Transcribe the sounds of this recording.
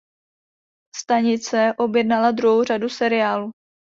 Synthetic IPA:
st̪aɲɪt͡sɛʔo̞bjɛdnalad̪ɾuɦowradusɛɾɪjaːluː

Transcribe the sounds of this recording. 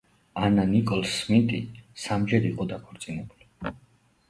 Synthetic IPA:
ananikʼɔlˠsmit̪ʼḭsamd͡ʒɛɾiqʼɔd̪akʰɔɾt̪sʼinɛbuli

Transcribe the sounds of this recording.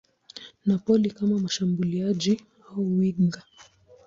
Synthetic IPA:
napɔlikamamaʃambuliaʄi | auwiŋɡa

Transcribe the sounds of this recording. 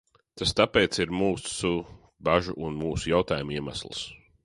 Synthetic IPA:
t̪ast̪apeːt̪siɾmuːsu | baʒuʔunmuːsujawt̪aːjumiɛma̰slˠs

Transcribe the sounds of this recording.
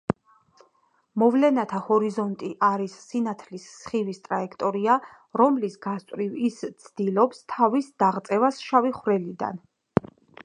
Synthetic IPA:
mɔvlɛnat̪ʰahɔɾizɔnt̪ʼiʔaɾisːinat̪ʰlisːχivist̪ʼɾaɛkʰt̪ʼɔɾia | ɾɔmlisɡast̪ʼɾivist̪sʰd̪̥ilɔpst̪ʰavisd̪̥aʁt̪sʼɛvasʃaviχwɾɛlid̪a̰n

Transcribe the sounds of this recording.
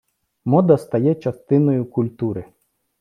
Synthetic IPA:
mɔd̪ɐst̪ɐjɛt͡ʃɐst̪ɪnɔjʊkʊlʲt̪uɾɪ

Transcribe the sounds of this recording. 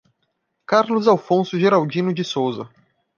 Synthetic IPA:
kaɾlʊzawfõsʊʒeɾawd͡ʒĩnʊd͡ʒɪsowzɐ

